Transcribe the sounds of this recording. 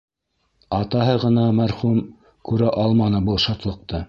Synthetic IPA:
ɑt̪ɑɦɤʁɤ̆nɑmæɾχum | kʉɾæʔɑlˠmɑnɤbulˠʃɑt̪lˠɤ̆q̚t̪ɤ

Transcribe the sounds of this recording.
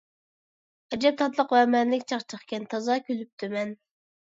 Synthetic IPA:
ɛd͡ʒɛp̚t̪ʰɑt̪lˠəqvɛmɛnlɪkʲt͡ʃʰɑχt͡ʃʰəχkʲɛnt̪ʰɑzɑkʲʰølyp̚t̪ʰymɛn

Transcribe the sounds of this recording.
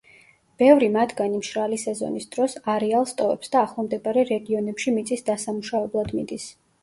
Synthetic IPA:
b̥ɛvɾimat̪ʰɡanimʃɾalisɛzɔ̰nisd̪̥ɾɔsaɾɛalˠst̪ʼɔvɛ̰psd̪aːχlˠamd̪ɛbaɾɛɾɛɡiɔnɛpʃimit̪sʼisd̪asamuʃavɛblˠad̪mid̪is

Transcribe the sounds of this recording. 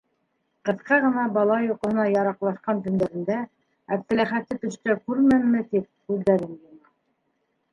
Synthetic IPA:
qɤ̆θqɑʁɤ̆nɑbɑlˠɑjuqɤ̆hɤ̆nɑjɑɾɑqlˠɑʃqɑnt̪ɵ̆nd̪æɾɘ̆nd̪æ | æp̚t̪ɘ̆læχæt̪ːɘt̪ɵ̆ʃt̪ækʉɾmæmːɘt̪ip̚kʉðːæɾɘnjŏmɑ

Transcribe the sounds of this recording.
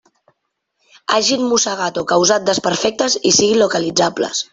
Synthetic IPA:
a̰ʒinmusəɣat̪okəwzat̪̚d̪əspəɾfɛk̚t̪əzisiɣinlukəlid͡zablə̰s

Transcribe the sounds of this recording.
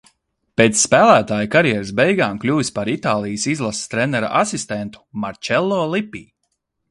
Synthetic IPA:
peːt̪sːpæːlˠæːt̪aːjkaɾjɛɾsbɛjɡaːmklʲuːvispaɾit̪aːlˠijsizlˠast̪ɾɛnɛɾa̰ʔasist̪ent̪u̥maɾt͡ʃɛlˠːɔːlˠipiː

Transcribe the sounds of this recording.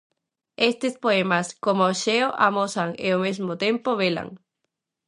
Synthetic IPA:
est̪espoemaskomooʃeoʔamosaŋḛomezmot̪ẽmpoβela̰ŋ

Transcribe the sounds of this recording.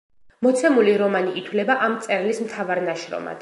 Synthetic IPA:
mɔt̪sʰɛmuliɾɔmaniʔit̪ʰwlɛbaʔamt̪sʼɛɾlismt̪ʰavaɾnaʃɾɔ̰ma̰d̪̥

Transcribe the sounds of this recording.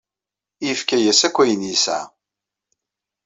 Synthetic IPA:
jəfkæjæsækʷːæjənisæ̰

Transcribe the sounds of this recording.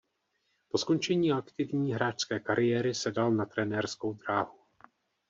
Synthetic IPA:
po̞sko̞nt͡ʃɛɲiːakt̪ɪvɲiːɦɾaːt͡ʃskɛːkaɾɪjɛːɾɪsɛdalnat̪ɾɛnɛːrsko̞wd̪ɾaːɦu

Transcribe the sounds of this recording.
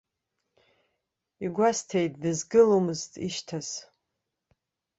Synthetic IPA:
iɡʷastʰejt̚ʼdɨzɡɨlomɨztʼḭʃtʰaz̥

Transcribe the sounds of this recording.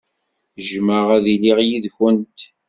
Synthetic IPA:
ʒməʁæðiliʁjiðçənt̪

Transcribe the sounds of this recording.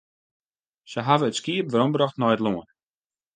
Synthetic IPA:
səɦavəətskiəpvəɾɔmbɾɔχtnɔjətlˠuən

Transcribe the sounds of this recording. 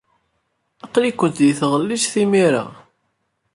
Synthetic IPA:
æqlikʷːənt̪ðiθʁəlːiʃθimiɾa̰

